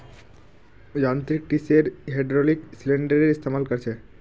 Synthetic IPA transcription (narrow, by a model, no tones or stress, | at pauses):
d͡ʑant̪ɾik̚ʈiseɾɦeɖɾoliksileɳɖəɾeɾist̪ʰemalkoɾt͡ɕʰe